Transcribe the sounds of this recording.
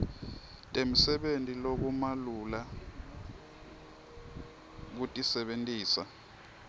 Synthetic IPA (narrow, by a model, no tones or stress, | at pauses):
tʼem̩sɛɓentʼilok̬umalula | k̬utʼisɛɓentʼiːsa